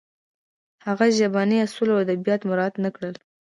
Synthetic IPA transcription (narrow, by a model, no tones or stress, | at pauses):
haɣaʒabɑniasulawad̪abijɑt̪mʊɾɑd̪nakɽəl